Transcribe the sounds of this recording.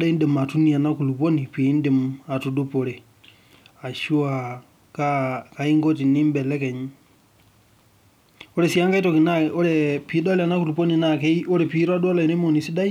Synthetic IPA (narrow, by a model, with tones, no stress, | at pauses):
ɗa˦i˦nde˨ma˨tu˦ni˨a˨na˦ku˨lu˨po˦ni˨pi˨˦nde˨ma˨tu˨du˦po˨ɾe˨ | a˨ʃu˦a˨ | ka˦ka˨i˦ŋɡo˦ti˨ni˦mbɛ˨lɛ˦kɛ˨ɲ˦ | o˦ɾe˨si˨a˦ŋɡa˦i˦to˨ki˨na˦o˦ɾɛ˨pi˨˦da˦la˨na˦ku˨lu˨po˦ni˨na˦ke˦i˦o˦ɾɛ˨pi˦ɾɔ˦a˦du˦a˦la˨i˨ne˦mo˨ni˨si˦da˦i˦